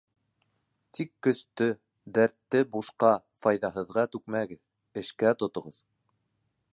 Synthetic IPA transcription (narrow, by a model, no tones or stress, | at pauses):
t̪ikːɵ̆st̪ɵ | d̪æɾt̪ːɘbuʃqɑ | fɑjðɑɦɤ̆ðʁɑt̪ʉk̚mæɡɘð | ɘ̆ʃkæt̪ŏt̪ŏʁɤð